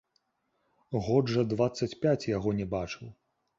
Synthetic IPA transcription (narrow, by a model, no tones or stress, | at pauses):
ɣɔʐɐd̪vat̪sːɐt͡sʲpʲat͡sʲjaɣɔnʲɛbat͡ʂɨw